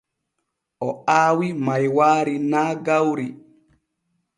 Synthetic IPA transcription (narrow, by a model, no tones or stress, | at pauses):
ʔɔaːwimajwaːɾinaːɡawɾi